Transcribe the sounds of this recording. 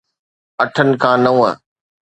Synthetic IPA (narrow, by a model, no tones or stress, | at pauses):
ɐʈʰənɪ̆kʰãːnɐũːə̰̃